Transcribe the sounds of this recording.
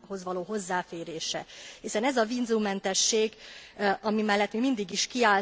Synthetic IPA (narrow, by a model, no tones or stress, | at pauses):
ho̞zʋɒloːɦo̞zːaːfeːɾeːʃɛ̰hisɛnɛzɒvinzumːɛnt̪ɛʃːeːɡʔɒmimɛlːɛt̪mimind̪iɡiʃkiaː